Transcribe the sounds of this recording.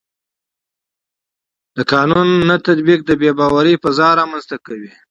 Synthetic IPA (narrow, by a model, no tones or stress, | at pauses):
d̪̥əkɑnunːat̪at̪bik̚d̪əbebɑwaɾəpəzɑɾɑmanzt̪akawi